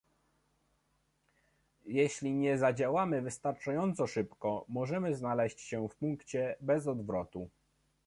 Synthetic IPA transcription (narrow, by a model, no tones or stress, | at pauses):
jɛɕlʲiɲɛzad͡ʑawamɘvɘst̪aɾt͡ʂajɔnt̪sɔʂɘpkɔmɔʐɛmɘznalɛɕt͡ɕɕɛfpuŋkt͡ɕɛbɛzɔd̪vɾɔt̪u